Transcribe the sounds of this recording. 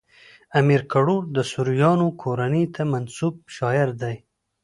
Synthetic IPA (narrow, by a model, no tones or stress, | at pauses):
amiɾkaɽuɾd̪əsʊɾjɑnokʰoɾanit̪ʰamansub̚ʃɑjɪɾd̪aj